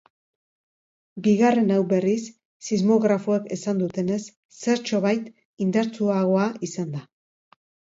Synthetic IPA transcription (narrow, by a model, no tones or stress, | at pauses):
biɣare̞nawbe̞risː | izmo̞ɣɾafoeke̞sand̪ut̪e̞ne̞sː | e̞ɾt͡ʃo̞βajt̪ | ind̪aɾt͡suaɣ̞o̞aisand̪a